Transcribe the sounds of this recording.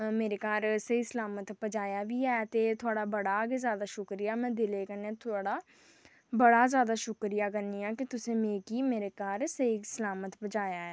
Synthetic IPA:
meːɾeːkaːɾsəiːsəlaːmət̪pəd͡ʒaːjaːʋiːɛːt̪eːt̪ʰʊaːɽaːbəɽaːɡezjaːd̪aːʃʊkɾijaːmɛ̃ːd̪ɪleːkəneːt̪ʰʊaːɽaː | bəɽaːzjaːd̪aːʃʊkɾijaːkəɾniːaːkɪt̪ʊsẽːmeːkiːmeːɾeːkaːɾsəisəlaːmət̪pəd͡ʒaːjaːɛː

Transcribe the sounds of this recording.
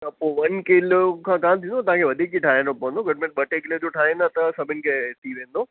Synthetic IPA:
t̪ɐpoːʋɐnkɪlkʰãːkaːmt̪ʰĩndot̪ɐɦãkʰeʋɐd̪ʱik̚d͡ʑiʈʰaːɦĩnd̪opɐʋə̃nd̪oɡʊɖmẽːʈ̚ɓɐʈekɪled͡ʑoʈʰaːɦĩnd̪at̪ɐsɐbʱɪnɪ̆kʰet̪ʰiʋẽːnd̪oː

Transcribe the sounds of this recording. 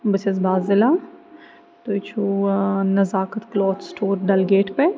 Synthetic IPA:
bət͡ʃesbʱaːzɪlaː | t̪ot͡ʃʰunɐzaːkət̪klɔːt̪sʈʰoːɾɖɐlɡeːʈpe

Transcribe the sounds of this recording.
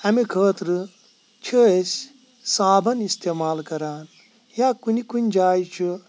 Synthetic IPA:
ɐmikʰəːt̪ɾɨ | t͡ʃʰəesʲ | saːbɐnist̪eːmaːlkɐɾaːn | jakunikunʲd͡ʒaːjit͡ʃʰu

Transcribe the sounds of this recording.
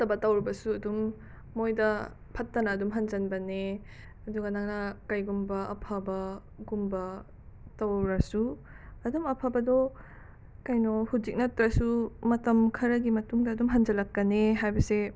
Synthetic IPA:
tɐbɐtɐwɾibɐsuɐdumː | ojdɐ | pʰɐtːɐnɐːdumɦɐnd͡ʒɐnbɐne | ɐduɡɐnɐŋnɐkajɡumbɐʔɐ̰pʰabɐ | ɡumbɐ | tɐwɾɐsu | ɐdumɐpʰabɐdɔ | kajnɔhud͡ʒik̚nɐtɾɐsumɐtɐmkʰɐɾɐɡimɐtuŋdɐːdumɦɐnd͡ʒɐlɐkːɐneɦajbɐse

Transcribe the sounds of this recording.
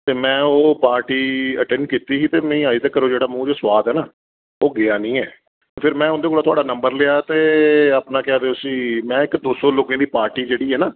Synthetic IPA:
t̪eːmɛ̃ːoːpaːɾʈiːəʈɛ̃ːɳɖkiːt̪iːsiːt̪eːmɛ̃ĩːaːiːt̪ɛːkːəɾoːd͡ʒeːɽaːmũːd͡ʒoːswaːd̪ɛːnaː | oːɡɪaːnĩːɛː | pʰɪɾmɛ̃ːʊ̃nd̪eːkoːlaːt̪ʊaːɖaːnəmbəɾlɪaːt̪eːaːpnaːkɪaːd̪eʊsiːmɛ̃ːɪkd̪oːsoːloːkẽːd̪iːpaːɾʈiːd͡ʒeːɽiːɦɛːnaː

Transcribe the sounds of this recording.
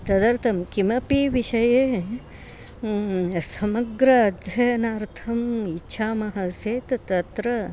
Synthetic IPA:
t̪ɐd̪ɐɾt̪ʰɐmkimɐpiʋiʃɐje | sɐmɐɡɾɐːd̪ʱjɐjɐnaːɾt̪ʰɐmitːʃʰaːmɐɦɐseːt̪t̪ɐt̪ɾɐ

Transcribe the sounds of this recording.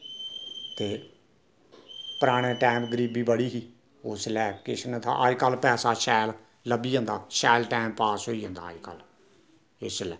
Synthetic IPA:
t̪eː | pəɾaːɽ̃ẽːʈaːmɡəɾiːbiːbəɽiːɦiː | oslɛːkɪʃənt̪ʰa̰ʔa̰ːikalpɛːsaːʃɛːl | ləbiːə̃nd̪aːʃɛːlʈaːmpaːsɦoːiːɦə̃ːnd̪a̰ːika̰l | ɪslɛː

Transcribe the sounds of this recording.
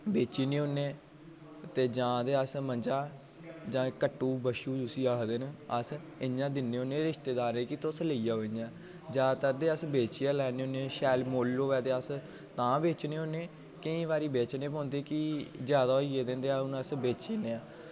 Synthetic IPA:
beːt͡ʃiːniːɦoːnẽː | t̪eːd͡ʒãːd̪eːəsmənd͡ʒãː | d͡ʒãːkəʈːuːbəʃuːd͡ʒʊsiːaːd̪enəs | ɪɲãːd̪ɪnːeːoːnẽːɾɪʃt̪eːd̪aːɾẽːkit̪ʊsləijaːɦoːɲãː | d͡ʒaːt̪əd̪eːəsbeːt͡ʃiːaːlɛːneoːnẽːʃɛːlmoːlːoːʋɛːd̪eːəs | t̪ãːbeːt͡ʃneːoːneː | kɪĩːʋaːɾiːbeːt͡ʃneːpõːnd̪eːkid͡ʒjaːd̪aːoieːd̪ẽːnd̪eːaːʊnəsbeːt͡ʃiːneːaː

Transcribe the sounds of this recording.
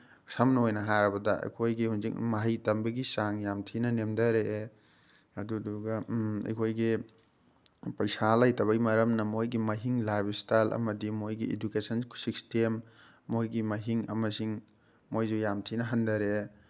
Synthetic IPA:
sɐmnojnɐɦaɾɐbɐdɐɐ̰jkʰojɡihunzik̚mɐɦɐjtɐmbɐɡisaŋjamtʰinɐnemdɐɾe | ɐduduɡɐɐ̰jkʰojɡi | pɐjsalajtɐβɐjmɐɾɐmnɐmojɡimɐɦiŋlajbstajlʔɐ̰mɐdimojɡiḛdukesɐnksikstemː | ojɡimɐɦiŋɐ̰mɐsiŋ | mojd͡ʒujamtʰinɐɦɐndɐɾe

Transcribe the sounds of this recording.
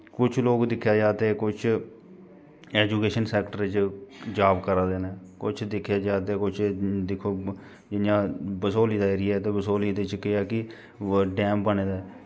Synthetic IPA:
kʊt͡ʃʰloːɡd̪ɪkʰːjaːd͡ʒaːt̪eːkʊt͡ʃʰ | ɛːd͡ʒuːkeːʃənsɛːkʈəɾt͡ʃd͡ʒaːbkəɾaːd̪eːnɛː | kʊt͡ʃʰd̪ɪkʰːjaːd͡ʒaːt̪̬eːkʊt͡ʃʰd̪ɪkʰːoː | d͡ʒɪjãːbəsoːliːd̪aːeːɾɪjaɛːt̪eːbəsoːliːd̪ɪt͡ʃkːeaːkɪ | ɖɛːmbəneːd̪aːɛː

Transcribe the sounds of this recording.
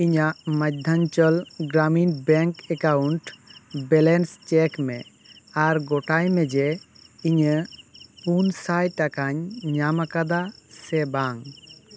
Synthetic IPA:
iɲaʔmad̪ʱaɲt͡ʃəlɡɾaminbɛŋkɛkawuɳʈbɛlɛnst͡ʃɛkmɛ̰ | aɾɡɔʈajmɛd͡ʒɛ | iɲəpunsajʈakaɲɲamakad̪asɛbaŋ

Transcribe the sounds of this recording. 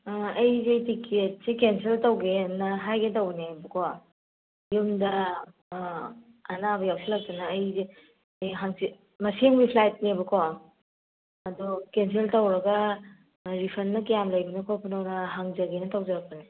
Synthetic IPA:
ɐjzejtikʰet̚sikenseltɐwɡenɐɦajɡetɐwnebɐkʰo | jumdɐ | naβɐjawsilɐk̚tɐnɐːjzi | jɦaŋsi | mɐseŋbipʰlajt̚nebɐkʰo | ɐdukenseltɐwɾɐɡɐ | ɾipʰɐnːɐkijamlɐjbinɐkʰopʰunɐwnɐɦaŋzɐɡenɐtawd͡ʒɐɾɐk̚pɐne

